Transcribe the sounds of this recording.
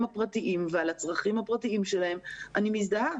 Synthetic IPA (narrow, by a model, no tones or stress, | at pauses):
mapʁatiʔimvealat͡sʁaχimhapʁatiimʃe̞lahe̞mʔanimizd̪aa